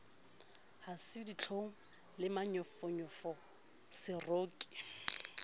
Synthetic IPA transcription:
hasɪdit͡ɬʰoŋ̩ | lɪmaɲɔfɔɲɔfɔ | sɪroːkʼi̥

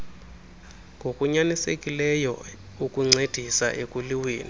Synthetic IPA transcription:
ŋɡʱokʼuɲanisḛkʼilɛjɔ̰ | ukʼuŋ͡ǀed̥ʱisa̰ʔekʼuliweːni

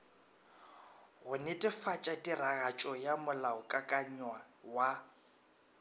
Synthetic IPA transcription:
ɣʊnɛtʼɪfat͡ʃʼatʼiraɣat͡ʃʼɔjamʊlaʊkʼakʼaɲwa | wa

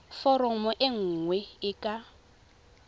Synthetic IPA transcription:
fɔɾɔmɔʔɪŋ̩ːŋwɛɪkʼa

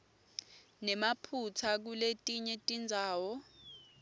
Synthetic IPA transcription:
nɛmapʰut͡sʰak̬uletʼiɲɛtʼind͡zʱaːwɔ

